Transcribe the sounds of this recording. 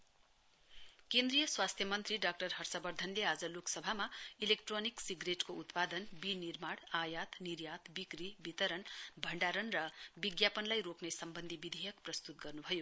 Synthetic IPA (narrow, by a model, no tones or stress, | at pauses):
kend̪rijʌswast̪ʰjʌmʌnt̪riɖak̚ʈʌrɦʌrsʌbʌrd̪ʱʌnlead͡zʌloksʌbʱamailekʈroniksiɡreʈkout̪pad̪ʌnbinirmaɽajat̪nirjat̪bikribit̪ʌɾʌnbʱʌɳɖaɾʌnrʌbiɡjapʌnlajroknesʌmbʌnd̪ʱibid̪ʱejʌkprʌst̪ut̪̚ɡʌrnubʱʌjo